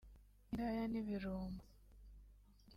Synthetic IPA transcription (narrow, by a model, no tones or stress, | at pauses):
iɾajaniβiɾuːmba